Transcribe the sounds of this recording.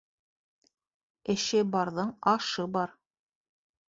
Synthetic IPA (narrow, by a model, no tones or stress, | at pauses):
ɘ̆ʃɘbɑɾðɤɴɑʃɤbɑɾ